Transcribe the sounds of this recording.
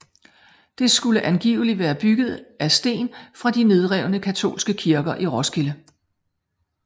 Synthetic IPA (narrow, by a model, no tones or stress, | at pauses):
d̥e̝sɡ̥uləʔænɡ̥ḭːʊliʋæːɐb̥yɡ̥ð̞̩ˠʔæsd̥e̝̰ːnfʁɑ̈d̥ine̝ð̞ˠʁɛʊ̰nəkʰæt͡sʰo̝̰ːlsɡ̥əkʰiɐɡ̥ɐʔiʁɔsɡ̥elə